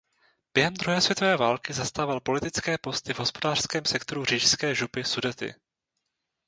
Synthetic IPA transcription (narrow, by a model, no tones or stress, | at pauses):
b̥jɛɦɛmd̪ɾuɦɛːsvjɛt̪o̞vɛːvaːlkɪzast̪aːvalpo̞lɪt̪ɪt͡skɛːpo̞st̪ɪvɦo̞spo̞daːr̥skɛːmsɛkt̪oɾur̝iːʃskɛːʒupɪsudɛt̪ɪ̰